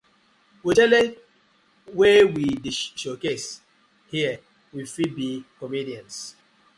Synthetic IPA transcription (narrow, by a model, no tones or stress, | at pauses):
witɛle | wewidiʃokes | hiɛ | wifibikomidiãns